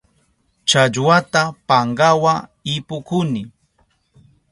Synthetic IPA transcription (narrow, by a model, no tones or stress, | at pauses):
t͡ʃaʎwat̪apaɴɢawaɪpʊkʊnɪ